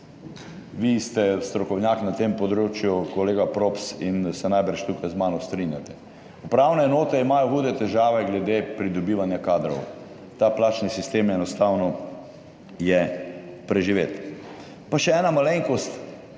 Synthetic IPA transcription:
ʋist̪ɛst̪ɾɔkɔwnjaknat̪empɔd̪ɾoːt͡ʃjukɔleːɡapɾopsinsɛnajbəɾt͡ʃt̪ukajzmaːnɔst̪ɾinjat̪ɛ | upɾawnɛːnoːt̪ɛimajɔxuːd̪ɛt̪ɛʒaːʋɛɡlɛd̪epɾid̪ɔbiːʋanjakaːd̪ɾɔ̰w | t̪aplaːt͡ʃnisist̪eːmjɛnɔst̪aːwnɔ | jɛpɾɛʒiʋeːt̪ | paʃɛɛːnamaleŋkɔst̪

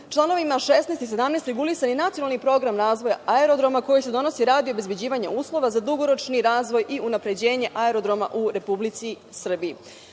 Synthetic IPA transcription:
t͡ʃlˠano̞ʋimaʃesnest̪ise̞d̪amnest̪ɾeɡulisaninat̪sionalˠnipɾo̞ɡɾamɾaːzʋo̞jaaeɾo̞d̪ɾo̞mako̞jise̞d̪o̞no̞siɾaːd̪iobe̞zbe̞d͡ʑiːʋaɲḛuːslˠo̞ʋazad̪uɡo̞ɾo̞t͡ʃniɾaːzʋo̞jʔiʔunapɾe̞d͡ʑe̞ːɲe̞ʔaeɾo̞d̪ɾo̞ma̰ʔuɾe̞publit̪si | sr̩bii

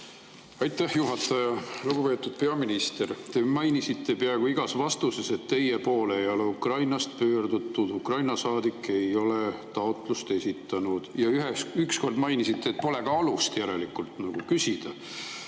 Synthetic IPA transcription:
ɑjt̪ːˑæhjuɦɑt̪ːˑɑjɑluɡ̥upe̞ːt̪ːˑud̪̥pe̞ɑminist̪e̞ɾt̪e̞mɑjnisit̪ʰːe̞pæeɡ̥uiɡ̥ɑsvɑst̪use̞se̞t̪ːe̞je̞po̞ːle̞jo̞le̞ukrɑjnɑst̪̚pø̞ːrd̪ut̪ːud̪̥ukrɑjnɑsɑːd̪̥ikːˑe̞jo̞let̪ɑot̪ˑlust̪e̞sʲit̪ːˑɑnud̪̥jɑyɦeyksko̞rd̪mɑjnisit̪ːeːt̪̚po̞le̞kɑɑlust̪jæɾe̞likult̪nɑɡ̥ukysid̪̥ɑ̰

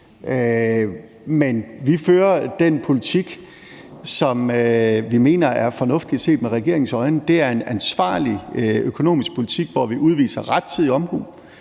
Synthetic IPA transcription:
ø | menʋiføːɐd̥enpʰo̝lit͡sʰiɡ̥ | sɒ̽møʋime̝̰ːnɐæɐfɒ̽nɔ̽fd̥i̥se̝̰ːd̥meʁɛɡ̥e̝ɐ̰e̝ŋsɒ̽ɪnəd̥e̝æɐe̝nænsʋɑ̰̈ːliøkʰo̝no̝̰ːmisɡ̥̚pʰo̝lit͡sʰiɡ̥ʋɒʋiʔuð̞ˠʋḭːsɐʁad̥t͡sʰið̰ˠiɒ̽mhṵː

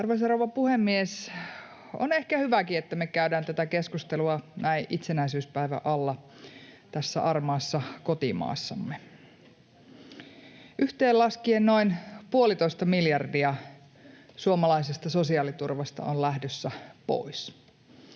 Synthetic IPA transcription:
ɑrʋes̬ɑrowʋɑpuhemːies | o̰nehkæhyʋækiet̪ːæmekæydæːnt̪æt̪ækeskust̪eluɑnæiʔʔit̪senæisyːspæiʋæ̰ʔɑlːɑ | t̪æsːæ̰ʔɑrmɑːsːɑkot̪imɑ̰ːsːɑ̰mːe | ʔyht̪eːllɑskienno̞inpuolit̪o̞ist̪ɑmiljɑrdiɑ | suomɑlɑisest̪ɑso̞siɑːlit̪urʋɑst̪ɑ̰ʔollæhdøsːæpo̰is

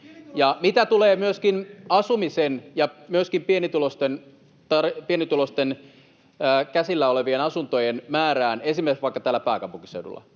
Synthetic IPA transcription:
jɑmit̪æt̪uleːmyøskinɑsumisenjɑmyøskimpienit̪ulost̪en | t̪ɑripienit̪ulost̪enː | kæsilːæoleʋienɑsunt̪ojenmæːɾæːnensimːessʋɑikːɑt̪æːlːæpæːkɑpuŋkisḛudṵlˑːɑ̰

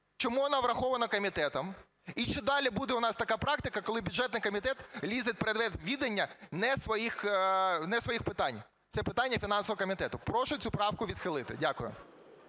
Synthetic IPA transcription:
t͡ʃɔmuʋɔnɑʋɾɐxɔʋɐnɐkɔmʲit̪ɛt̪ɐm | it͡ʃɪd̪ɑlʲibud̪ɛʊnɑst̪ɐkɑpɾɑkt̪ɪkɐkɔlˠɪbʲʊdʐɛt̪nɪjkɔmʲit̪ɛt̪lʲizɪt̪̚ʲpeɾed̪ʋɛt̪ʋʲid̪ɐnʲːɐnɛsʋɔjixnɛsʋɔjixpɪt̪ɑnʲ | t̪sɛpɪt̪ɑnʲːɐfʲinɑnsɔʋɔɔkɔmʲit̪ɛt̪ʊpɾɔʃʊt͡sʲupɾɑwkʊʋʲid̪xɪlˠɪt̪ɪ̰dʲakʊjʊ̰

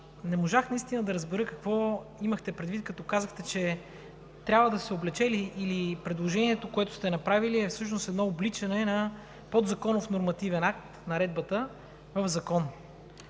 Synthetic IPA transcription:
nɛmoʒaxnɐist̪inəd̪ɐɾəzbɛɾɤkɐkvɔiməxt̪ɛpɾɛd̪vit̪̚kɐt̪ɔkazəxt̪ɛt͡ʃɛ | t̪ɾʲabvəd̪ɐsɛoblɛt͡ʃɛliʔːlipɾɛd̪lˠoʒɛniɛt̪okoɛt̪ʊ̥st̪ɛnɐpɾaviliɛfsɤʃ̬nost̪ɛd̪nɔoblit͡ʃɐnɛnɐ | pɔd̪zɐkɔnʊfnoɾmɐt̪ivɛnak̚t̪nɐɾɛd̪̚bət̪ə | vəvzɐkɔn

